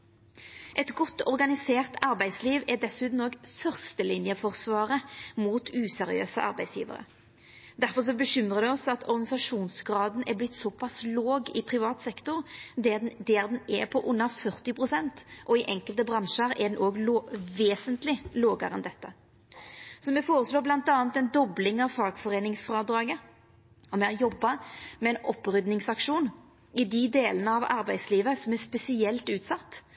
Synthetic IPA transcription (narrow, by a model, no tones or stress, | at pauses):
ʔɛt̪ɡɔt̪ːɔʁɡɑnɪseːʁt̪ɑʁbæɪsliːʋɛd̪ɛsʉːt̪n̩ɔːɡfœʁst̪əlɪnjəfɔʁsʋɑːʁəmuːt̪ʉːsɛʁɪø̰ːsəʔɑ̰ʁbæɪsjḭːʋə̰ʁə̰ | d̪æʁfɔʁs̬ɔbəɕʏmʁəd̪ɛɔsɑt̪ʰɔɾɡɑnɪsɑʂuːnsɡʁɑːd̪n̩ʔɛblɪt̪ːsɔpʰɑsloːɡɪpʰʁɪʋɑːt̪sɛkt̪ʊʁd̪ɛnd̪ɛːʁd̪ɛnɛpʰɔʔʊnːəfœʁt̪ɪpʰʁʊsɛnt̪ʔɔɪʔɛŋkəlt̪əbɾɑnʃəɾɛd̪ɛnʔoːɡloʋeːsənt̪lɪloːɡəɾɛnd̪ɛt̪ːə | sɔmɛfoːɾəsloːblɑnt̪ɑːnt̪ɛnd̪ɔblɪŋɑʋfɑːɡfɔʁeːnɪŋsfɾɑːd̪ɾɑːɡə | ɔmɛɑjɔbːɑmɛɛnɔpːʁʏd̪nɪŋsɑkʂuːn | ɪd̪ɪd̪eːlənəɑʋɑ̰ɾbæɪd̪sliːʋəsɔmɛspɛsɪɛlt̪ʉːt̪sɑt̪ː